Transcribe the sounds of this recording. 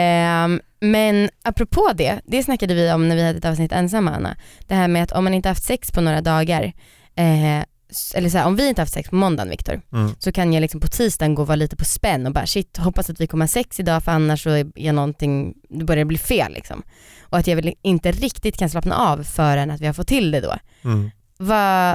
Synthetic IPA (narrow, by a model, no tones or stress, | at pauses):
mɛnapːɾɔpʰoːd̪ɛd̪̥ɛsnakːad̪əvɪɔmnæɾvɪhad̪əɛt̪ɑːvsnɪt̪ːɛns̬amːaa̰nːa̰d̪̥ɛɦæːɾmɛat̪ʰɔ̰mːanɪnt̪əhaft̪sɛkspʰɔnoːɾad̪ɑːɡaɾ | sʔɛ̰lːəʂ̬ɔhæːɾʔɔmvɪɪnt̪əhaft̪sɛ̰kspʰɔmɔnd̪a̰nvɪ̰kt̪ɔ̰ɾsɔkʰanjalɪksɔmpʰɔt̪ʰiːst̪ɑnɡoːvɑːɾliːt̪ə̥pʰɔspɛnːɔbɑːɾa̰ʂɪt̪ːɦɔpːasat̪vɪkʰɔmːəhaɾʂsɛksɪd̪ɑːfœɾanːaʂɔæɛɾjanɔnt̪ʰɪŋd̪ɛbœɾjad̪əbliːfeːlːʔɪ̰ksɔ̰m | ʔɔat̪jɑːvɪlɪnt̪əɾɪkt̪ɪt̪kʰanslɑːpna̰ʔɑvfœːɾɛnat̪vɪhaɾfɔt̪ʰːɪld̪ɛd̪o̰ː | va